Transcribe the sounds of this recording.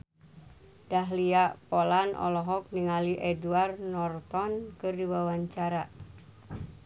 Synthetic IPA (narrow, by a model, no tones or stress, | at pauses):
daɦliaʔpɔlanʔɔ̰lɔɦɔk̚niŋaliʔɛduarnɔrt̪ɔnkɨrdiwawaɲt͡ʃaɾa